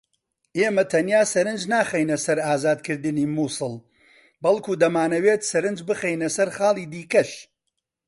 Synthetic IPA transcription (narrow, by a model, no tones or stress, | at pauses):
eːmɐt̪ʰɐnjaːsɐɾɨnd͡ʒnaːχejnɐsɐɾaːzaːd̪kʰɨɾd̪ɨniːmuːsɨlˠ | bɐlˠkuːd̪ɐmaːnɐweːt̪sɐɾɨnd͡ʒbɨχejnɐsɐɾχaːlˠiːd̪iːkɐʃ